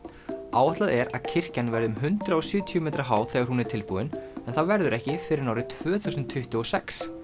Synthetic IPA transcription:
a̰ːwaht̪laðɛɾa̰ðcʰɪr̥canvɛɾðʏmɦʏnt̪ɾaɔsʏːt̪ʰiɔmɛːt̪ɾaɦaːwθɛːɣaɾhunɛɾ̥t̪ʰɪlpuðɪnɛnθaðvɛɾðʏɾɛhcɪfɪɾɪɾnawɾɪt̪ʰvœːθuwsʏnt̪ʰːʏht̪ʏɔsɛks

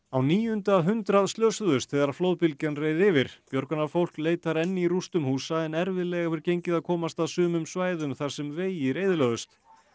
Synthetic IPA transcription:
awniːjʏnt̪aɦʏnt̪ɾaðst̪lœːsʏðʏst̪θɛːɣðaɾaɾfloːwðpilcanreːjðɪvɪɾ̥pjœɾkʏnafowl̥kleːjt̪aɾɛnːɪirust̪ʏmhuːsaɪnɛɾvɪðlɛɣafɪɾcejɲcɪðaðkʰɔːmast̪aðsʏːmʏmsvaːjðʏmθaɾ̥sɛmveːjɪɾejðɪlœðʏst̪

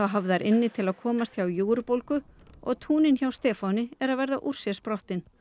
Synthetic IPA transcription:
awɦavðaɛɾʔɪnːɪt̪ʰɪlaðkʰɔːmast̪çawjuːɾpowlkʏɔ̰ɣt̪ʰuːnɪnçawst̪ɛːfawnɪɛɾaðvɛɾðaʔur̥sjɛspɾɔht̪ɪn

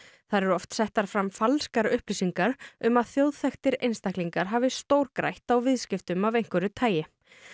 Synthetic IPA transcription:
θaðɾɛɾʏɔft̪sɛht̪aɾ̥fɾamfalskaɾʏhplisiŋkaɾʏmaðθjowðθɛxt̪ɪɾḛjnst̪ahkliŋkaɾ̥ɦaːvɪst̪owɾkɾa̰jht̪awvɪðscɪft̪ʏmavejŋ̥kvʏɾʏt̪ʰaːjɪ

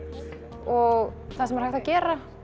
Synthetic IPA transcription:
ɔɣθasɛmɛɾ̥haht̪acɛːɾa

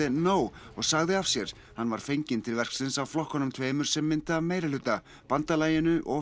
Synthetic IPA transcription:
ɪnoːwɔɣsaɣðɪav̥sjɛɾ̥ | hanːvaɾ̥fejɲcɪnt̪ʰɪlvɛr̥kslɪnsawflɔhkɔnʏmt̪ʰveːjmʏɾ̥sɛmːɪnt̪ɪavmeːjɾalʏːt̪a | pant̪alaːjɪnʏʔɔɣ

